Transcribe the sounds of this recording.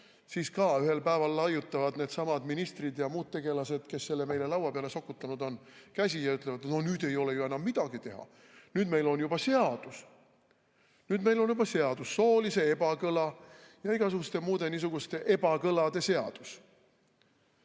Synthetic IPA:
siːskɑːyhe̞lpæevɑlːɑjut̪ˑːɑvɑd̪ne̞ːd̪sɑmɑd̪̥minist̪rid̪jɑmuːd̪̥̚t̪e̞ɡ̥e̞lɑse̞d̪̥ke̞sːe̞lːeme̞jle̞lɑwɑpeɑle̞so̞kːˑut̪ːˑɑnud̪o̞nkæsʲijɑyt̪ːˑlevɑd̪̥no̞nyːd̪̥e̞jo̞le̞jue̞nɑmːid̪̥ɑɡ̥it̪e̞hɑ̰ | nyːd̪me̞jlo̞njubɑse̞ɑd̪̥us | nyːd̪me̞jlo̞njubɑse̞ɑd̪̥usːo̞ːlise̞e̞bɑkɤlɑjɑiɡ̥ɑsuɡust̪e̞muːd̪e̞nis̬uɡ̥ust̪e̞ʔe̞bɑkɤlɑd̪̥e̞se̞ɑ̰d̪̥us

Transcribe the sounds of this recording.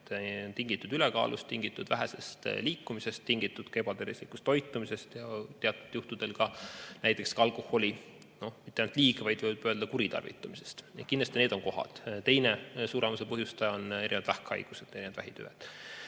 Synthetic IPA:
nt̪iŋɡ̥it̪ːˑud̪ylekɑ̰ːlʔust̪iŋɡ̥it̪ːˑud̪̥væɦese̞st̪liːkːumise̞st̪ːiŋɡ̥it̪ːˑud̪̥ke̞bɑt̪ervislikːˑu̥st̪ːo̞jt̪ːˑumise̞st̪jɑt̪eɑt̪ːˑud̪̥juht̪ud̪̥e̞lkɑnæjt̪ːˑe̞kskɑɑlkˑohːo̞lʲi | no̞mit̪ːeɑjnɑt̪liːkevɑjd̪vɤjvɑb̥øld̪̥ɑkuɾit̪ɑ̰rvḭt̪ːˑɑmise̞̥st̪n̰kind̪lɑst̪ineːd̪̥o̞ŋko̞ɦɑ̰d̪̥t̪e̞jnesuːɾemɑsepɤɦjust̪ɑjɑone̞ɾʔinevɑd̪væhkɑ̰jɡ̥used̪̥e̞ɾineʋɑd̪̥æ̰ɦit̪y̰et̪

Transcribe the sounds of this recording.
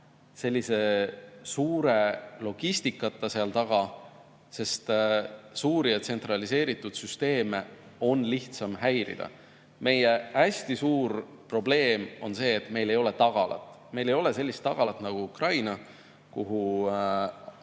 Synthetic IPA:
se̞lːise̞suːɾe̞lo̞ɡ̥ist̪ikːˑɑt̪ːˑɑseɑlt̪ɑɡ̥ɑ | se̞st̪suːɾiɑt̪se̞nt̪rɑlise̞ːɾit̪ːˑud̪̥syst̪e̞ːme | o̞nliht̪sɑmɦæjɾḭd̪̥ɑ̰ | me̞jeæsʲt̪isuːɾ | pro̞ble̞ːmo̞nse̞ːt̪ːˑme̞jle̞jo̞le̞t̪ɑɡ̥ɑlɑ̰t̪ːˑ | me̞jle̞jo̞le̞se̞lʲːist̪ːɑɡ̥ɑt̪ːˑnɑɡ̥uukrɑjnɑ | kuɦu

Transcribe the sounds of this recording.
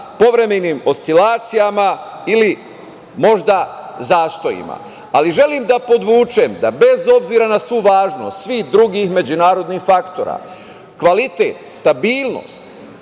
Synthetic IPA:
po̞ʋɾe̞meniːmo̞st̪ilaːt̪sijamaili | mo̞ʒd̪azaːst̪o̞jḭma̰ | aliʒe̞limd̪apo̞d̪ʋuːt͡ʃe̞md̪abe̞zo̞bziɾanasʋuʋaːʒnost̪sʋihd̪ɾuɡixme̞d͡ʑunaːɾo̞d̪nixfakt̪oɾa̰ | kʋalit̪e̞̰t̪st̪abiːlˠno̰st̪

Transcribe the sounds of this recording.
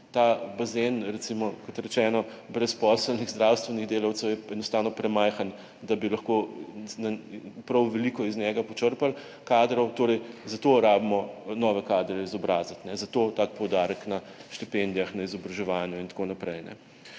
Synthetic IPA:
t̪abazenɾɛt̪simɔkɔt̪ɾɛt͡ʃɛːnɔbɾɛspɔsəlniɣzd̪ɾawst̪ʋɛniɣd̪eːlawt̪sɛwjɛɛnɔst̪aːwnɔpɾɛmajxan | d̪abilɐxkonapɾɐwʋɛlikɔiznɛɡapɔt͡ʃəɾpal | kad̪ɾɔwt̪oːɾɛjzɐt̪oɾaːbmɔnɔːʋɛkaːd̪ɾɛizɔbɾaːzat̪nɛzɐt̪oːt̪aːkpɔwd̪aːɾəkna | ʃt̪ipend̪ijaxnaizɔbɾɐʒɛʋanjuint̪ḁkonapɾɛjnɛ̰

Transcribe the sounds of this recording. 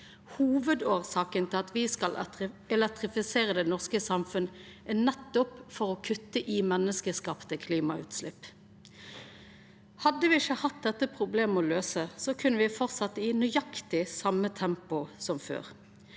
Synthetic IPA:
huːʋəd̪oːʁsɑːkənt̪ʰɪlɑt̪ʋɪskɑlɛlɛk̚t̪ʁɪfɪseːʁəd̪ɛnɔʁskəsɑmfʉnd̪əænɛt̪ːɔpfɔʁɔːkʰʉt̪ːəʔiːmɛnːəskəskɑːpt̪əkʰliːmɑʉ̰ːt̪slɪpː | hɑd̪ːəʋɪɪçəhɑt̪̚d̪ɛt̪ːəpʰʁʊbleːməɔløːsəsɔkʰʉnːəʋɪfɔʁt̪sɑt̪ːinʏɑkt̪ɪsɑmːət̪ʰɛmpʊsɔmfø̰ːʁ

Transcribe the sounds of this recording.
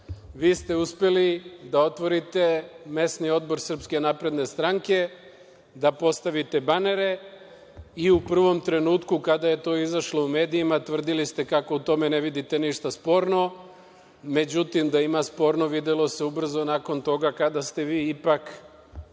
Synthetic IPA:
ʋiːst̪e̞uspe̞lid̪ao̞t̪ʋo̞ɾit̪e̞me̞snio̞d̪bo̞ɾsr̩pske̞napɾe̞d̪ne̞st̪ɾaŋke̞ | d̪apo̞st̪aʋit̪e̞bane̞ɾe̞ | iupr̩ʋo̞mt̪ɾe̞nuːt̪kukad̪aje̞t̪o̞ːizaʃlo̞ume̞ːd̪iimat̪ʋr̩d̪ilist̪e̞kako̞ut̪o̞me̞ne̞ʋid̪it̪e̞niʃt̪aspo̞ɾno̞ | me̞d͡ʑut̪imd̪aimaspo̞ːɾno̞ʋid̪elˠo̞se̞ubr̩zo̞naːko̞nt̪o̞ɡakad̪ast̪e̞ʋiːipak

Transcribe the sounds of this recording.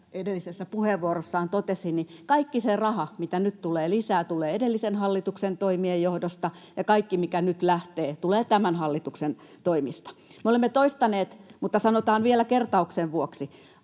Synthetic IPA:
edelːisesːæpuheʋʋuorosːɑːnt̪ot̪esinnikɑikːiserɑhɑmit̪ænyt̪t̪uleːlisæːt̪uleːedelːisenhɑlːit̪uksent̪oimiejohdost̪ɑ | jɑkɑikːimikænyt̪læht̪eːt̪uleːt̪æmænhɑlːit̪uksen | t̪oimist̪ɑ̥meolemːet̪oist̪ɑneːt̪mut̪ːɑsɑnot̪ɑːnʋielækert̪ɑukseʋʋuoksi

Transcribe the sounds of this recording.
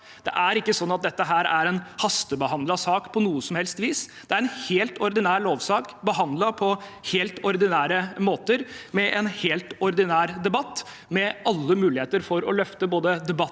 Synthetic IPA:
d̪̥ɛ̰ʔæɾɪkːəsɔnːɑt̪̚d̪ɛt̪ːəɦæːɾæɾɛnhɑst̪əbəhɑnd̪lɑsɑːkpʰɔnuːəsɔmhɛlst̪ʋiːsd̪̥ɛæɾɛnheːlt̪ɔɾd̪ɪnæːɾɭoːʋsɑːkbəɦɑnd̪lɑpʰɔheːlt̪ɔɾd̪ɪnæːɾəmoːt̪əɾmɛʔɛnheːlt̪ɔɾd̪ɪnæːɾd̪ɛbɑt̪ː | mɛɑlːəmʉːlɪheːt̪əɾfɔɾɔ̰lœft̪əboːd̪əd̪ɛbɑ

